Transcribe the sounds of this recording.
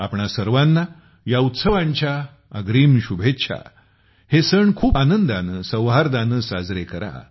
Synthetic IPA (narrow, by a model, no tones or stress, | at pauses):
apɳasəɾʋanːa | jaut̪səʋaɲt͡ɕja | əɡɾiːmɕubʱet̪ːɕʰa̰ | hesəɳkʰuːpanənd̪anəsə̃wɦaɾd̪anəːsad͡zɾekəɾa̰